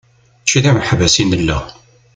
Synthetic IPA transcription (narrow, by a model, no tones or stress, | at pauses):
t͡ʃːiðæməħvæsinəlːə̰ʁ